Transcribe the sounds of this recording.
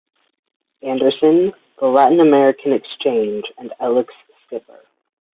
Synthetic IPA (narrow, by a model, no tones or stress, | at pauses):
æ̃ndə˞sɨ̃n | ðəlæʔn̩ɨmɛɹɨkʰɨ̃nɨkst͡ʃʰẽɪ̃nd͡ʒɨ̃nɛlˠəks | kɪpə̰˞